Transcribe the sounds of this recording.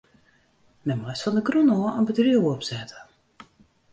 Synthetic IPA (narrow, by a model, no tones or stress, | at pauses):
nɛmɛsfɔndəɡrunɔːənbədriəwɔpsɛtʰə̥